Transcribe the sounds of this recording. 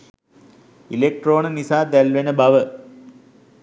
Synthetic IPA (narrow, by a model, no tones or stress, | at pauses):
ilek̚ʈroːnənisaːd̪ælʋenəbɐʋə